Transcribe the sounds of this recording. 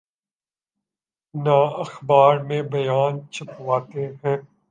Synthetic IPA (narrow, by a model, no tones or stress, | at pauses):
naːɐxbaːɾmẽbɐjaːnt͡ʃʰɐpwaːt̪eɦɛ̃ː